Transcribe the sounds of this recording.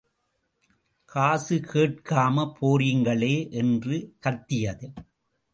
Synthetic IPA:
kʰaːsɯkʰeːʈ̚kaːmɐpʰoːrɪŋɡɐɭeːʔɛndrɯkɐt̪ːɪjɐðɯ

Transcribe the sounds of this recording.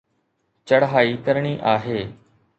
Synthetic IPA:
t͡ʃəɽɦaːiːkəɾɳ̃iːʔaːɦeː

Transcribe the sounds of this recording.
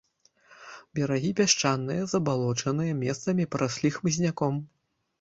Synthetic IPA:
bʲɛɾaɣʲipʲaʂt͡ʂanːɨjɐzɐbalˠɔt͡ʂɐnɨjɐmʲɛst̪sɐmʲipɾʔasʲlʲixmɨzʲnʲakɔm

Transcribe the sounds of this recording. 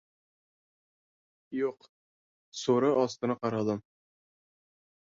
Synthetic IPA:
juq | suɾɤʔɒst̪ɤ̆nɑqɑɾɑd̪ɤm

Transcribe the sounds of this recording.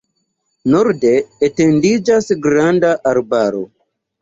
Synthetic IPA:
noɾdeːtendid͡ʒasɡɾandaʔaɾbaɾo̰

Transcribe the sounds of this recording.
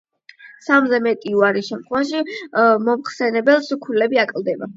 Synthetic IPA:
samzɛmɛt̪ʼiuaɾiʃɛmt̪ʰχwɛvaʃimɔmχsɛnɛbɛlˠskʰulɛbiakʼlˠd̪ɛba̰

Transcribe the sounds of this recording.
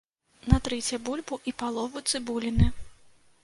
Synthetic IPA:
nɐt̪ɾɛt͡sʲjɐbulʲbuʔipalˠɔvut̪sɨbulʲinɨ

